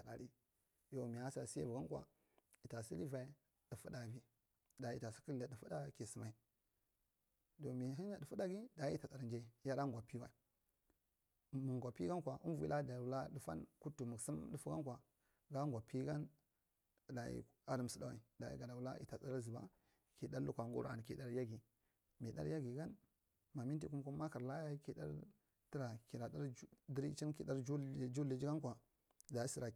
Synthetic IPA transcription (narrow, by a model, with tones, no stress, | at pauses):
ta˨ɗa̰˨ɾi˦ | jo˨mi˨a˦sa˨si˦ḛ˦vu˨ɡa˦kʷa̰˨ | i˨ta˨si˦li˦va˨i˦ | də˨fu˦da˨vi˦ | da˨ḭ˨ta˨si̥˦ki˦lda˨də˨fu˦da˦˨ki˨sə˨ma˨i˨ | do˨mi˨ɦi˦a˨də˨fu˦da˦ɡi˦da˨˦i˦ta˨a˨ɾnd͡ʒe˦˨˦ja˦ɾa˦ŋɡʷa˨pi˦wa̰˨i˨ | mu˨ŋɡʷa˨pi˦ka˦nkʷa˨ʔu˦vu˨˦i˦la˦da˨wu˦la˦də˦fa̰˦nku˦tu˨mu˨ɡsi˦m˦ɗu˦fu˦ka˦nkʷa˨ | ɡa˦ŋɡʷa˨pi˦ɡa˦n | da˨ḭ˦ | a˦ɾi˨m˨su˨da˦wa̰˨i˨da˨ḭ˦ɡa˨na˨wu˦la˦ḭ˨ta˨t͡sa˦ɾa˦zi˨ba̰˦ | ki˨da˦ɾu˦kʷa˨ɡṵ˦ɾa̰˨n˨ki˨da˦ɾja˦ɡi˨ | mi˨da̰˦ɾja˦ɡi˨ɡa˦n | ma˨mi˦nt̬i˨ku˦m˦ku˦ma˦ka˨ɾla˦ja˦i˦ki˨da̰˦ɾ | ti˦ɾa˨ki˨ɾa˨da˦ɾdi˦ɾi˦i˦nkḭ˨da˦ɾd͡ʒu˦˨d͡ʒu˦li˨d͡ʒi˦ɡa˦nkʷa˨ | da˨i˦si˨ɾa˨